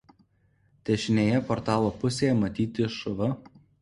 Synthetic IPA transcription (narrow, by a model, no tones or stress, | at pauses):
t̪ʲɛʃʲɪnʲeːjɛpɔɾt̪ɑːlˠoːpʊsʲeːjɛmɐt̪ʲiːt̪ʲɪʃʊʋɐ